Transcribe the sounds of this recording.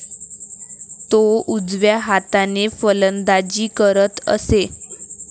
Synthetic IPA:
t̪oud͡zʋjaɦat̪anefələnd̪ad͡ʑiːkəɾət̪ə̰se

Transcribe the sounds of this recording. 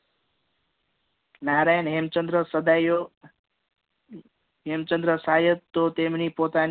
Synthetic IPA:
naːɾaːjənɦemt͡ʃənd̪ɾəsəd̪ajo | ɦemt͡ʃənd̪ɾəsaːjət̪t̪ːot̪emnipoːt̪aːn

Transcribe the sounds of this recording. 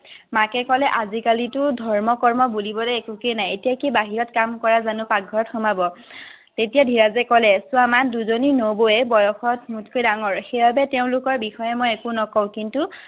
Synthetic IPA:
makɛkɔlɛʔazikalitʊdʱɔɹmɔkɔɹmɔbulibɔlɛekukejnajetijakibaɦiɹɔtkamkɔɹazanʊpaɡʱɔɹɔtxɔmabɔ | tetijadʱiɹazɛkɔlɛsʊamanduzoninoboɛbɔjɔxɔtmutkʰojdaŋɔɹxebʱabɛteʊ̃lʊkɔɹbixɔjɛmojɛkʊnɔkɔʊ̃kintu

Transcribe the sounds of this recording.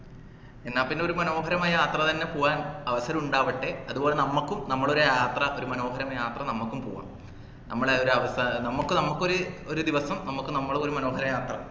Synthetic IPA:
e̞nːaːlpinːe̞o̞ɾumɐno̞ːɦɐɾɐmɐjaːt̪rɐt̪ɐnːe̞poːʋaːnɐʋɐsɐɾɐmuɳɖaːʋɐʈːeɐðuboːɭe̞nɐmːɐkːumnɐmːɐɭo̞ɾujaːt̪rɐʔo̞ɾumɐno̞ːɦɐɾɐmjaːt̪rɐnɐmːukːumpo̰ːʋa̰ːm | nʔɐmːɐɭeoɾuɐʋɐsnɐmːukːɨnɐmːukːoɾuoɾud̪iʋɐsɐmnɐmːukːɨnɐmːɐɭoo̞ɾumɐno̞ːɦɐɾɐmjaːt̪rɐ

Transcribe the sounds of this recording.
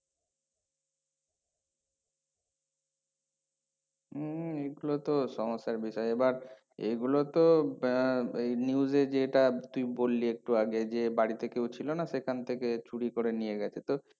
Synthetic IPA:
eɡulot̪oʃɔŋosːaɾbiʃɔjeebaɾ | ḛɡulot̪o | eniud͡ʑed͡ʑeeʈat̪ujbolːiek̚ʈuaɡed͡ʑebaɽit̪ekewt͡ɕʰilonaʃekʰant̪ʰeket͡ɕʰuɽikoɾenijeɡɛt͡ɕʰet̪o

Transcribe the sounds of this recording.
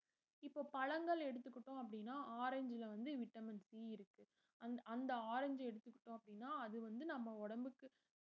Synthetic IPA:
ɪpːoːpɐɻɐŋɡɐɭɛɽɯt̪ːɯkːɪʈːõɐp̬ːɐɽɪnːaːʔaːɾɛɲd͡ʒɪlɐʋɐnd̪ɯʋɪʈːɐmɪnsiːɪɾɯkːɯ | ɐnɐnd̪ɐaːɾɛɲd͡ʒɛɽɯt̪ːɯkːɪʈːõːɐpːɐɽɪnːaːɐðɯʋɐnd̪ɯnɐmːɐɔɽɐmbɯkːɯ

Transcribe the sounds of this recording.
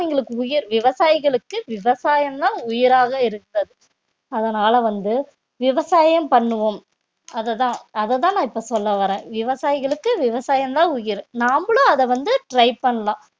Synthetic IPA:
iːŋɡɐɭɯkːɯʊjɪɾʋɪʋɐsaːjɣɐɭɯkːɯʋɪʋɐsaːjɐmt̪ãːʊjɪɾaːɣɐɪɾɯkːɾɐðɯ | ɐðɐnaːlɐʋɐnd̪ɯ | ʋɪʋɐsaːjɐmpɐɳːɯʋom | ɐðɛt̪ãːɐðɛt̪̬ãːnãːɪpːoːsɔlːɐʋɐɾẽːʋɪʋɐsaːjɪɣɐɭɯkːɯʋɪʋɐsaːjɐmt̪ãːʊjɪɾẽːnaːmbɐɭoːɐðɛʋɐnd̪ɯʈɾɐɪpɐɳːɐlãː

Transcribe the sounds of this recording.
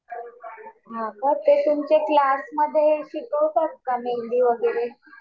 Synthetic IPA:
bʱakət̪et̪umt͡ɕeklasməd̪ʱːjeɕit̪osəɾkameld̪iːʋəɡeɭe

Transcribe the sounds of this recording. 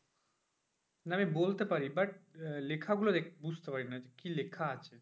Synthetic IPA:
naamibolt̪epaɾibɐʈ̚lekʰaɡulod̪ekbud͡ʑʱt̪epaɾinaekilekʰaat͡ɕʰe

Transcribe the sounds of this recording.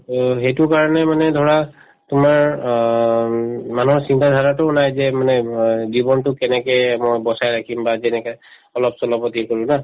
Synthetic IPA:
ɦejtʊkaɹɔnɛmanɛdʱɔɹa | tʊmaɹ | manuɦɔɹsintʰadʱaɹatʊʊnajzɛmanɛzibɔntʊkɛnɛkɛjmɔjbɔsajɹakʰimbazɛnɛkɔ | ɔlɔpsɔlɔpɔtikoɹũna

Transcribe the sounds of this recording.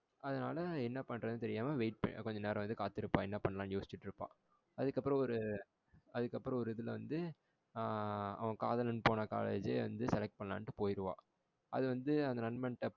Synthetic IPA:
ɐðɐnaːlɐɛnːɐpɐɳrɐðɯnɯt̪ɛɾɪjaːmɐʋeɪʈ̚pɐ̰kɔɲd͡ʒɐneːɾɐ̃ʋɐnd̪ɯkaːt̪ːɪɾɯpːãːɛnːɐpɐɳːɐlaːnjoːsɪ̥t͡ʃːɪʈːɪɾɯpːã̰ː | ɐðɯkːɐpːɯɾɐ̃ɔɾɯ | ɐðɯkːɐpːɯɾɐ̃ɔɾɯɪðɯlʋɐnd̪ɯ | ɐ̰ʋɐ̃kaːðɐlɐnpoːnɐka̰ːlḛːd͡ʒḛʋɐ̰nd̪ɯsɛlɛk̚ʈ̚pɐɳɐlã̰ːnʈːɯpoːjɪɾɯʋã̰ː | ɐ̰ðɯʋɐnd̪ɯɐnd̪ɐnɐnmɐnʈːɐ

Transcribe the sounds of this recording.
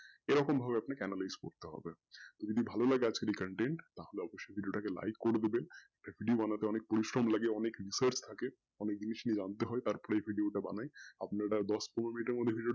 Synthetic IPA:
eɾɔkombʱabeapnakɛnalajzko̰ɾt̪eɦɔ̰be | t̪od͡ʑod̪ibʱalolaɡead͡ʑkeɖijkəɳʈeɳʈt̪aɦoleɔboʃːojbʱiɖioʈakela̰jkːoɾed̪ebeɛk̚ʈabʱiɖiobanat̪eɔnek̚poɾiʃɾomlaɡeɔnekɾisəɾt͡ɕt̪ʰake | ɔnek̚d͡ʑiniʃnid͡ʑant̪eɦɔet̪aɾpɔɾeejbʱiɖioʈaba̰naja̰pnaʈad̪ɔspomeminiʈeɾmod̪ʱːebʱiɖio

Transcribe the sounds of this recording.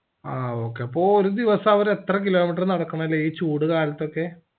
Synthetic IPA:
aːo̞ːkːeɐpːoːoɾud̪iʋɐsɐɐʋɐɾe̞t̪rɐkilo̞ːmiʈ̬ːɐrnɐɽɐkːɐɳɐmilːeiːt͡ɕːuːɽɨkaːlɐt̪ːo̞kːe̞

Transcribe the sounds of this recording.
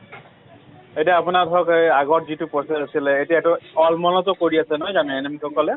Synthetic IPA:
etiaːpʊnadʱɔkaɡɔtzitʊpɔsezasilɛːtiaɛtʊɔlmɔnɔtɔkoɹiasɛnɔjzamɛɛnemikʰɔkɔlɛ

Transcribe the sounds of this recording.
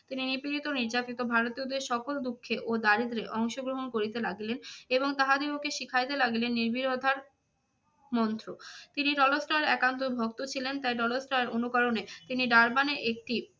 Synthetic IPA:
t̪ininipiɾit̪oniɾd͡ʑat̪it̪obʱaɾot̪iod̪eʃɔkold̪ukʰːeʔod̪aɾid̪ɾeʔɔŋʃoɡɾoɦonkoɾit̪elaɡileneboŋt̪aɦad̪eokeʃikʰajt̪elaɡilenːiɾbiɾod̪ʱaɾ | mɔnt̪ɾot̪iniɾɔlosʈaɾɛkant̪̬obʱok̚t̪ot͡ɕʰilent̪ajɾɔlosʈaɾeɾonukɔɾonet̪iniɖaɾbaneʔek̚ʈi

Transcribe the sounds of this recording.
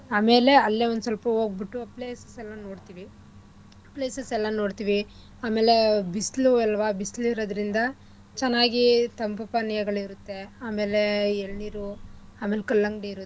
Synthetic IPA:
aːme̞ːle̞ɐlːeond̪usɐlpɐo̞ːɡ̚biʈːuɐpleːsɐsɛlːɐno̞ːɽt̪iːʋi | pleːsɐsɛlːɐno̞ːɽt̪iːʋi | aːme̞ːle̞bisluɛlːɐʋaːbisliɾɐd̪ɐɾind̪ɐ | t͡ʃɛnːaːɡit̪ɐmpɐpɐnijɐɡɐɭiɾut̪ːe̞aːme̞ːleeɭniːɾuaːmeːlkɐlːɐŋɡɽiiɾu

